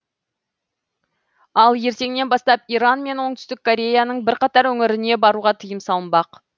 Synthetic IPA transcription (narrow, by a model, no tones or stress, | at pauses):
ɑlˠje̞ɾt̪e̞ŋne̞nbɑs̪t̪ɑpijɾɑnme̞nwo̞ɴt̪ʏ̥st̪ɪk̚ʰːo̞ɾʲe̞janəɴbɪɾqɑt̪ɑɾwɵŋɪɾɪne̞bɑɾuʁɑt̪ʰəjəmsɑlˠəmbɑq